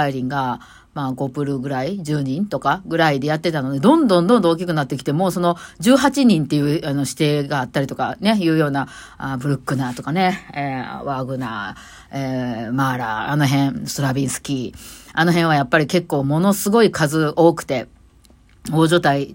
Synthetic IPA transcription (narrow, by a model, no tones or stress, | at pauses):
aiɾʲĩŋɡa | maɡo̞pɯ̟ɾɯ̟ɡɯ̟ɾaid͡ʑɨːɲ̟ĩnt̪o̞kaɡɯ̟ɾaid̪e̞jat̪ːe̞t̪ano̞d̪e̞d̪õ̞nd̪õ̞nd̪õ̞nd̪ooːkʲikɯ̟nat̪ːekʲi̥t̪e̞mo̞ːso̞no̞d͡ʑɨːɦat͡ɕiɲ̟ĩnt̪e̞jɯ̟ːano̞ɕi̥t̪e̞ːɡaːt̪ːaɾit̪o̞kane̞jɯ̟ːjo̞ːna | abɯ̟ɾɯ̟kːɯ̟naːt̪o̞kane̞eβaɡɯ̟na̰ː | emaɾa̰ano̞ɦẽ̞ɴ̃st̪oɾabʲĩɰ̃sɨ̥kʲiːano̞ɦẽ̞ɰ̃ajapːaɾʲike̞kːo̞ːmo̞no̞sɨɡo̞ikazɨo̞ːkɯ̟̥t̪e̞ | oːʑo̞ːt̪ai